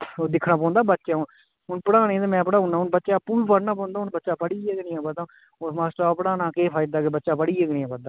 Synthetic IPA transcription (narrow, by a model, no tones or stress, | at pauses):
oːd̪ɪkʰnaːp̬ɔ̃ːnd̪aːbətːʃaːʊn | ɦʊnpəɽaːnẽːt̪aːmɛ̃ːpɽaːɦʊnaːʊnbətːʃaːəpːũːbiːpəɽnãːpɔ̃ːnd̪aːɦʊnbətːʃaːpəɽiːeknĩːãːbəd̪ãː | osmaːsʈaːpəɽaːnaːkeːpʰaːɪd̪aːkebətːʃaːpəɽiːeɡnĩːɛːbəd̪aː